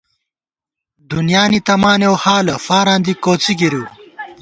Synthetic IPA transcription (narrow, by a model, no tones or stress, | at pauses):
d̪unjaːnit̪ɐmaːnjewhaːlɐfaːɾãːnd̪ikoːt͡siɡiɾu